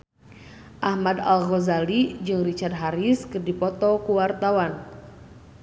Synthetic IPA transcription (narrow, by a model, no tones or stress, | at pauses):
ʔahmadalɣozalid͡ʒɨŋrit͡ʃard̪̚ɦaɾiskɨrdipɔt̪ɔkuwart̪awan